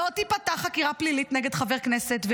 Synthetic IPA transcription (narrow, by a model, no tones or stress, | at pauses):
ot̪ipataχakiʁaplilit̪neɡed̪χaveʁkneset̪ve